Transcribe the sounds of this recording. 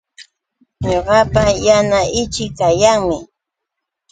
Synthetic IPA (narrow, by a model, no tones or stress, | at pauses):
ɲoɢɑpajanaʔɪt͡ʃɪk̚t̪ajaŋmɪ